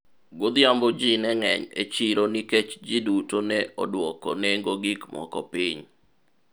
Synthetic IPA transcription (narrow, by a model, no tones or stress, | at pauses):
ɡod̪jambɔd͡ʒinɛŋɛ̰ɲḛt͡ʃiɾoniket͡ʃd͡ʒidutonɛɔ̰dwɔkɔ̰nɛŋɡoɡikmɔ̰kɔpiɲ